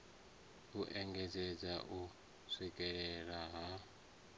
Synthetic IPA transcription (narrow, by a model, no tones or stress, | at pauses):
uʔɛŋɡɛd͡zɛd͡zaʔu | swikʼɛɺɛɺaɦa